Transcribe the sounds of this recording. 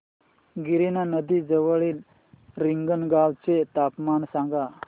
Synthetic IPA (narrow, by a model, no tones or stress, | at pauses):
ɡiɾinanəd̪iːd͡zəʋəɭiːl | ɾiŋɡənɡawt͡set̪apmansaŋɡa